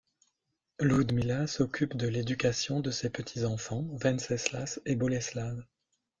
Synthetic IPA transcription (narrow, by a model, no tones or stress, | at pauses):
lud̪milasɔkʲʰypd̪əled̪ykʲasjɔ̃d̪əsepət̪ʰizɑ̃fɑ̃vɛ̃nsɛslasebɔlɛslav